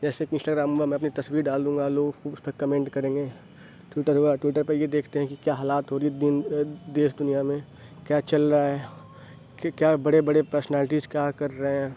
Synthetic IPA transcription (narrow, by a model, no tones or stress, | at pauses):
d͡ʒɛːsekɪ̃nsʈaːɡɾaːmbɐmɛ̃ɐpnit̪ɐswiːɾɖaːld̪ũːŋɡaloːɡuʊspɐkɐmẽːɳʈkɐɾẽːŋɡeː | ʈwɪʈəɾɦoɡaʈwɪʈəɾpɐɾjed̪eːkʰt̪eɦɛ̃kikjaːɦaːlaːt̪ɦoːɾiid̪ɪnd̪eːsd̪ʊnijamẽ | kjaːt͡ʃɐlɾaɦɛː | kjaːbɐɽebɐɽepəɾsnɛːlɪʈ̬izkjaːkɐɾːɐɦeɦɛ̃ː